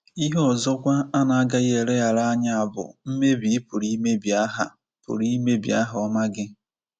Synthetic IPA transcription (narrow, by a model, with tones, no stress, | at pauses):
i˦ɦɔ˦˨zɔ˦kʷa˦a˦na˨a˦ɡa˦je˨ɾe˦a˨ɾa˦ɲa˨a˨bʊ̰˨m̩˦me˦bi˨˦pu˨ɾi˦me˦bi˨a˦ɦa̰˨ | pṵ˨ɾi˦me˦bḭ˨a˦ɦɔ˦ma˦ɡɪ˦